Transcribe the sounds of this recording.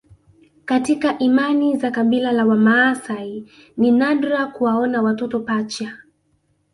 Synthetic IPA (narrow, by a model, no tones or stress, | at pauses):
katikaʔimanizakabilalawamaːsai | ninadɾakuwaɔnawatɔtɔpat͡ʃa